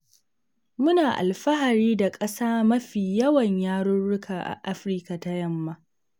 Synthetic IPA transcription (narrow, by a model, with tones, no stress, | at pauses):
mʊ˦naː˨ʔa̰˨lɸɐ˦ɦa˨ɾiː˦da˨kʼɐ˦saː˦mɐ˦ɸiː˨jɐ˦wɐ˨ɲjaː˦ɽʊ˦ɽʊ˦kʰaː˨ʔa̰˨ʔa˦ɸɾi˦ka˨ta˦jɐ˦mːa˦